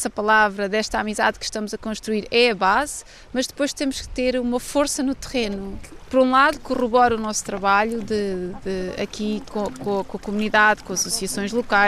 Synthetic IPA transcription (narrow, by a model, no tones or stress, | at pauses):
sɐpɐlˠavɾɐðɛʃt̪amizaðkʃt̪ɐmuzɐkõʃt̪ɾuiɾɛɐβaz | mɐʒd̪ɨpojʃt̪emuʃkɨ̥t̪eɾumɐfoɾsɐnut̪ɨʁenupɔɾũlˠaðukuʁuβɔɾunɔsu̥t̪ɾɐβaʎuðɨd̪ɨɐ̰kikõkõkõkumuniðaðkõɐsusiɐsõj̃ʒlˠukaj